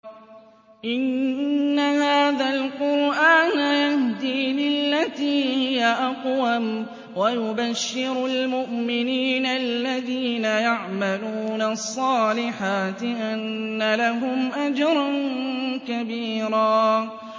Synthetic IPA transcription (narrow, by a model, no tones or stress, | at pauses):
ʔɪnːahaːðalqʊɾʔaːnajahd̪iːlɪlːat̪iːhɪjaʔɑqwam | wajʊbaʃːɪɾʊlmʊʔmɪniːnalːaðiːnajaʕmaluːnasˤːɑːlɪħaːt̪ɪʔanːalaɦʊmʔad͡ʒɑɾˤɑnkabiːɾaː